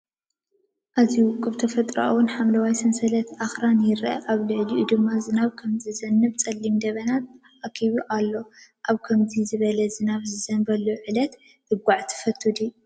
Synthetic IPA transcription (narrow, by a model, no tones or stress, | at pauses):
ʔaziwʊkʼːɨβt̪ʰɐfɐt̪ʼɾa̰ʔwunħamlɐwajsɨnsɐlɐt̪ʔaxɾanjɪɾʔɐ̰ʔaβlɨʕliʔud̪ɨmːazɨnaβkʰɐmzɨzɐnːɨβt͡sʼɐlːimd̪ɐβɐnat̪̚ | ʔakʰiβuʔalːo̞ʔaβkʰɐmzizɨβɐlɐzɨnaβzɨzɐnbɐlːuʕɨlɐt̪ | dɨɡʷaʕt̪ʰɨ̥fɐt̪ʰːud̪i